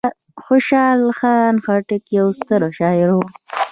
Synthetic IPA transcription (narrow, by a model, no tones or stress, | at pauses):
xoʃɑːlxɑːnxaʈɪkjawst̪əɾoʃɑːɪɾo